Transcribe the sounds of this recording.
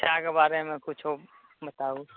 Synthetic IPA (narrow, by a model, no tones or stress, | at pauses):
t͡ʃʰakebaːɾemẽkʊt͡ʃʰo | bət̪aːũ